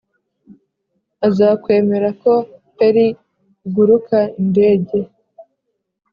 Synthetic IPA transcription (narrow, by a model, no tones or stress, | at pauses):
azaːkwe̞ːme̞ɾako̞taɾi | ɡuɾukainde̞ːɟe̞